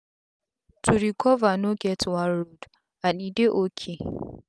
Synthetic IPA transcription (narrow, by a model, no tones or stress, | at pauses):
tʰuɾikʰɔvanoɡɛtwãnɹod | aɗideʔokʰi